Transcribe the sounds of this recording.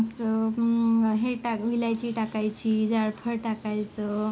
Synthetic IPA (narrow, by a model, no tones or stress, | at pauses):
sə | ɦeʈaʋilajt͡ɕiːʈakajt͡ɕiːd͡zaɽpʰəɾʈakajt͡sə